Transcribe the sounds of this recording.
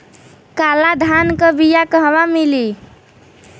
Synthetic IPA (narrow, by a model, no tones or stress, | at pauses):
kalad̪ʱankəbijakəɦʋamili